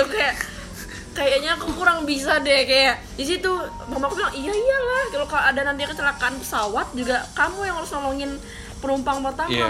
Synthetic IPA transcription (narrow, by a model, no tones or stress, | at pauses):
kaja | kajaʔɲaːkukuɾaŋbis̬adɛkajaʔ | dis̬it̪u | mamakubilaŋijaijalahkalokaloadanant̪̬ikət͡ʃəlakanpə̥sawat̪̚d͡ʒuɡakamujaŋaɾʊsnɔlɔŋɪn | pənumpaŋpərt̪aa